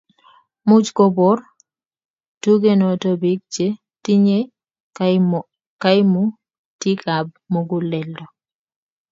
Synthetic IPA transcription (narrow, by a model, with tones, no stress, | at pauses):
mu˦d͡ʒkɔ˦bɔ˦r | tu˦ɡe˦no˨to˦bi˦k̚t͡ʃe˦ | ti˦ɲe˦ | ka˦ɪ˦mu˦ | ti˦kʰa˨b̚mo˦ɡu˦lɛ˨ldɔ˨